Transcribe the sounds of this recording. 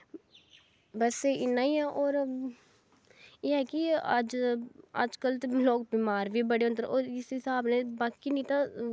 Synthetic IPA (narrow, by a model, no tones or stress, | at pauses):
bəsɪnːãːiːɛːʔoːɾ | eːɦɛːkɪəd͡ʒə̰d͡ʒkəlt̪eloːk̚bimaːɾʋiːbəɽeːʊ̃nd̪əɾoːɾɪsɦɪsaːbnẽːbaːkinĩːt̪ãː